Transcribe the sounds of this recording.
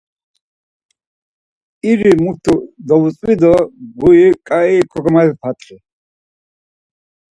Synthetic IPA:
iɾimut̪ʰud̪ɔvut͡sʼwid̪ɔɡuikʼaikʰɔɡɔmadɛp̪ʰat̪ʰʼχi

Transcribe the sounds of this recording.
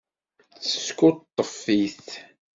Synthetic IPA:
t͡sːə̥skʊt̪ˤːəfːiθ

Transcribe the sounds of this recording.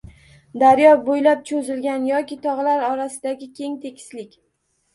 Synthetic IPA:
d̪aɾjɒbojlap̚t͡ʃʰɵzɪlɡʲanjɒkʲɪt̪ʰɒʁlaɾɒɾasɪd̪aɡʲɪkʲe̞ŋt̪ʰe̞kʲʰɪ̥slɪkʲ

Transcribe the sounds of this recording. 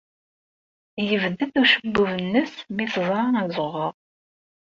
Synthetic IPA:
jəvd̪əθuʃəbːuvənːəsmiθəzˤɾˤɑnæzˤəʁəðˤ

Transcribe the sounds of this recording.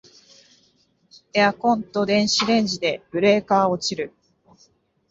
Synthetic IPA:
eakõ̞nt̪o̞d̪ẽ̞ɰ̃ɕiɾẽ̞ɲ̟d͡ʑid̪e̞b̥ɯ̟ɾe̞ːkaːo̞t͡ɕiɾɯ̟

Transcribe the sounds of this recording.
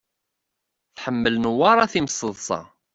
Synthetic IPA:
θħəmːəlnuwɑɾˤɑθiməsˤːəðˤsˤɑ̰

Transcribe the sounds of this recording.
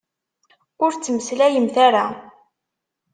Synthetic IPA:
ʊɾt͡sːəməslæjəmθaɾa

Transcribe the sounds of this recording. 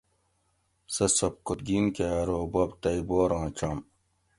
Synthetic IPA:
sɐsɐp̚kut̪̚ɡiːnkeːɾoːbɐbt̪ɐiboːɾãːt͡ʃaːm

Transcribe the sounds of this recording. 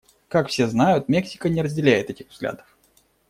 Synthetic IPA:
kakfsʲe̞znajʊt̪mʲeksʲɪ̥kənʲɪɾəzʲdʲɪlʲæjɪt̪ɛtʲɪxvzɡlʲa̰d̪əf

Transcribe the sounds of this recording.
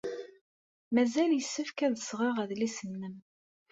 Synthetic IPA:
mæzæljəsːəfkæðəsʁɪʁæðlisənːəm

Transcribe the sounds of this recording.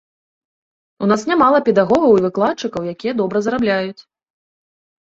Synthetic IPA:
unasnʲamalˠɐpʲɛd̪aɣɔɣɐwivɨklˠat̪t͡ʂɨkɐwjakʲijɛd̪ɔbɾɐzɾablʲajut͡sʲ

